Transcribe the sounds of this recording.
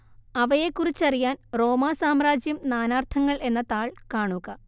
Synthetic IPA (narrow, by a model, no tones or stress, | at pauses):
ɐʋɐjekːurit͡ɕːɐrijaːnro̞ːmaːsaːmraːd͡ʑjɐmnaːnaːrt̪ʰɐŋːɐɭe̞nːɐt̪aːɭkaːɳuɣɐ